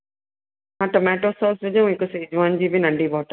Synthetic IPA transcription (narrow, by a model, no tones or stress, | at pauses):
ɦãʈɔmɛːʈosɔːsʋɪd͡ʑɐũɪkosed͡ʑaːnd͡ʑiːbɪnɐ̃ɳɖiʋɔːʈə